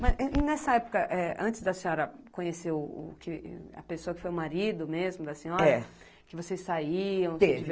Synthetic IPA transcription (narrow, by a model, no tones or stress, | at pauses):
mɐzɛnɛsɐɛpʊ̥kɐʔɛɐ̃nt͡ʃɪzd̪ɐsẽɔɾɐkõɲesewʊ̰kʰɪɐ̰pesoɐkɪ̥fojʊmaɾid̪ʊmezmʊd̪ɐsẽɲɔɾɛɐ | kɪvosejsːaiɐ̃w̃iv